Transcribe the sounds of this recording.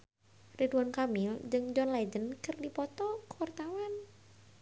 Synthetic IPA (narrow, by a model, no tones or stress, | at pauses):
riduankamɪld͡ʒɨŋd͡ʒɔnlad͡ʒənkɨrdipɔt̪ɔkəwart̪awan